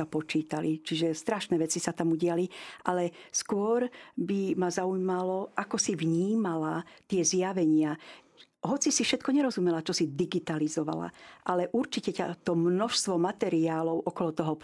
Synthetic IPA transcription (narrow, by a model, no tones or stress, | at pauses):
apɔt͡ʃiːt̪alit͡ʃiʒɛst̪ɾaʃnɛːʋɛt͡sisat̪amuɟɪaliʔalɛskʊɔɾbimazaujmalɔʔakɔsiʋɲiːmalat̪ɪɛzjaʋɛɲɪa | ɦɔt͡sisifʃɛt̪̚kɔɲɛɾɔzumɛlat͡ʃɔsid̪iɡit̪alizɔʋa̰la̰ʔalɛʔuɾt͡ʃicɛca̰t̪ɔmnɔʃst̪ʋɔmat̪ɛɾiaːlɔʊʔɔkɔlɔt̪ɔɦɔ